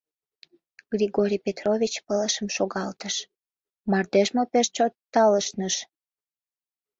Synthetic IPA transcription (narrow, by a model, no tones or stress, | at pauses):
ɡ̥ɾʲiɣoɾʲijpet̪rovʲit͡ɕpələʃəmʃoɣɑlt̪əʃ | mɑrd̪eʒmopeʃt͡ɕot̪ːɑləʃnəʃ